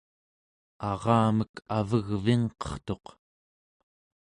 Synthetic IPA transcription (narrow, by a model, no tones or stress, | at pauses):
ɑʁɑːməkʰavəɣviŋqʌ̥χt̪o̞q